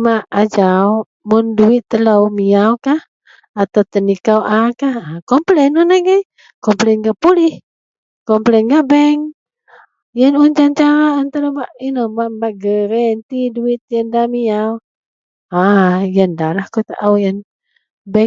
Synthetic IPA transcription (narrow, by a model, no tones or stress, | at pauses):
maʔad͡ʒaw | mʊnduɪt̪ːəlawmiawkah | at̪awt̪ənikawakahakɔmplɛnɔnaɡaj | kɔmplɛnɡaʔpulih | kɔmplɛnɡaʔbɛŋ | jənuɲd͡ʒant͡ʃaɾaant̪aɾabaʔinɔbaʔbaʔɡəɾɛnt̪iduit̪̚jəndamijaw | ajəndalahkot̪aʔawjən | bɛ